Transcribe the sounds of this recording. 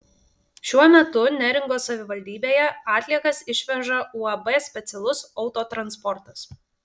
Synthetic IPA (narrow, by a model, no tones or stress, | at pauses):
ʃʲuɔmʲɛt̪ʊnʲæɾʲɪŋɡoːsɐʋʲɪʋɐlʲd̪ʲiːbʲeːjɛɑːt̪ʲlʲiɛkɐsɪʃʲʋʲɛʒɐuːɐbɛsʲpʲɛt̪sʲɛlˠʊsɒʊt̪oːt̪ɾɐnspɔɾt̪ɐs